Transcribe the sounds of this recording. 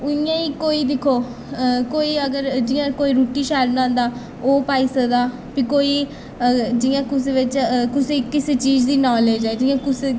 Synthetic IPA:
ʊɪjãːiːkoːiːd̪ɪkʰːoː | koːiːəɡəɾd͡ʒɪjãːkoːiːɾuːʈiːʃɛːɾnãːnd̪aː | oːpaːiːsəd̪aː | piːkoːiː | d͡ʒɪjãːkʊseʋɪt͡ʃkʊseːkɪseːt͡ʃiːd͡ʒd̪iːnɔːleːd͡ʒɛːd͡ʒɪjãːkʊse

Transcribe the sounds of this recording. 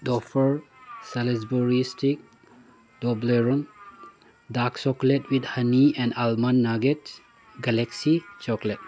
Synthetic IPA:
dɔfʰəɹsales̬buɾistʰik̚ | dɔbleɾun | daksɔkletwid̪hɐniɛ̃ndalmanːaɡet̚ | ɡaleksit͡ʃɔklet̚

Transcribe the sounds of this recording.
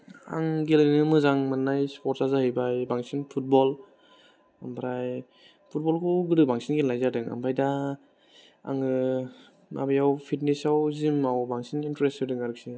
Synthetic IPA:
a̰ŋɡelnɯmɯzaŋmanːajspɔɾt̚sazahɯjbajbaŋsinpʰut̚bɔl | ambɾaj | pʰut̚bɔlkʰɔwɡɯɾɯbaŋsinɡelːajzadɯŋa̰mbajda | a̰ŋɯ | mʔa̰bajawpʰitnesawzimawbaŋsinintɾestɯdɯŋaɾɯk̚si

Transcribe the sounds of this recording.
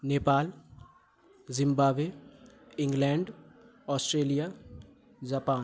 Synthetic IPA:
neːpaːl | zɪ̃mbaːʋe | ɪ̃ŋɡlɛ̃ːɳɖ | ɔːsʈɾeːlija | d͡ʒaːpaː

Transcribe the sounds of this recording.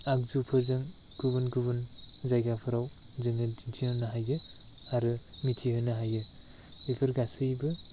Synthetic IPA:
ak̚zupʰɯzɯŋ | kʰubɯnɡubɯnzajɡapʰɯɾaw | zɯŋɯdintʰihɯnɐɦajɯ | aɾɯ | mitʰihɯnɯɦajɯ | ibʰɯɾɡasɯjbɯ

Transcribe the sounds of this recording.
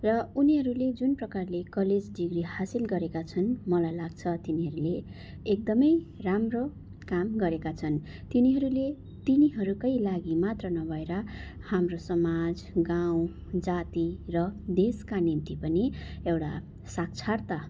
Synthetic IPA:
rʌuniɦʌɾuled͡zunprʌkarlekʌled͡zɖiɡrihasilɡʌɾekat͡sʰʌnmʌlajlaɡt͡sʰʌt̪iniɦʌɾuleː | k̚d̪ʌmʌjramro | kamɡʌɾekat͡sʰʌnt̪iniɦʌɾule | t̪iniɦʌɾukʌjlaɡimat̪rʌnʌbʱʌeɾʌhamrosʌmad͡z | ɡaw̃d͡zat̪irʌd̪eskanint̪ipʌniewʈa̰ | sak̚t͡sʰart̪a

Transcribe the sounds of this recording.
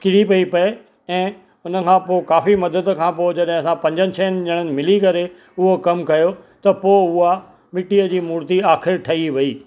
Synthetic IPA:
kɪɽipɐipɐe | ɛ̃ː | ʊnə̆kʰãːpoːɪkaːfimɐd̪əd̪kʰãːpoːɪd͡ʑɐɗɦɪ̃ɐsãpɐ̃ɲd͡ʑənɪ̆t͡ɕʰɐːnɪ̆d͡ʑɐɽ̃ənɪ̆mɪlikɐɾe | ʊɦokɐmkɐjot̪ɐpoːʊɦa | mɪʈiəd͡ʑiːmuːɾt̪iaːxʰɪɾʈʰɐiʋɐiː

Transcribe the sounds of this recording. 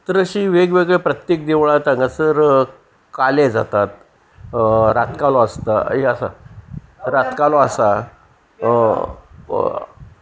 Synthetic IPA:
t̪ɾəɕiːʋeɡʋeɡɭepɾət̪jek̚d̪eʋɭat̪ãŋɡasəɾ | kaled͡za̰t̪at̪ | ɾat̪kalɔəst̪a̰eəsa̰ | ɾat̪kalɔasa

